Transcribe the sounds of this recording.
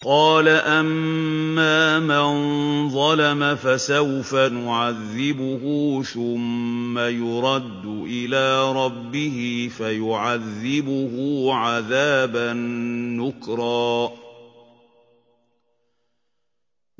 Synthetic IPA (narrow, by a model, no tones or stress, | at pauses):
qɑːlaʔammːaːmanðˤɑlamafasawfanʊʕaðːɪbʊɦʊːθʊmːajʊɾˤɑd̪ːʊʔɪlaːɾˤɑbːɪhɪfajʊʕaðːɪbʊhʊːʕaðaːbanːʊkɾˤɑː